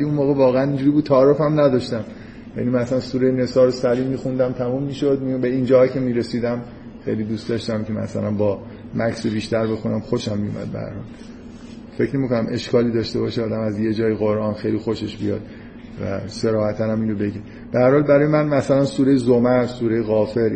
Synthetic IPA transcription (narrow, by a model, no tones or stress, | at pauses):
æliunmoːɣevɒːɣeænind͡ʒuːɾiːbud̪̚t̪ʰæːɾefæmnæd̪ɒʃt̪æm | jæ̰nimæslænsuːɾejene̞sɒːɾosæɾiːmiːxund̪æmt̪ʰæmumːiːʃod̪̚mibeind͡ʒɒːcʰe̞miːɾesiːd̪æm | xḛjlid̪uːstd̪ɒʃt̪æmcʰemæ̰sæ̰lænbɒː | mæksebiːʃt̪æɾbe̞xunæmχxoʃæmːijṵmʔæ̰d̪̚bḛhæ̰ɾhɒ̰ːl | fe̞cʰnemikonæmʔe̞ʃkɒːliːd̪ɒːʃt̪e̞bɒːʃeɒːd̪æmæzje̞d͡ʒɒːjeɣo̞ɾʔɒːnxejlixo̞ʃeʃbijɒ̰ːd̪̥ | væ̰se̞ɾɒːhæt̪ʰænæminɾobe̞ɟi | b̥ehæɾhɒːlbæɾɒːjemænmæsælænsuːɾejezomæɾsuːɾejeɣɒːfe̞ɾ